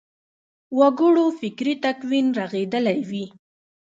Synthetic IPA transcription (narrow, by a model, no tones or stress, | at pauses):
waɡʊɽofɪkɾit̪akwinɾaɣed̪əlajwi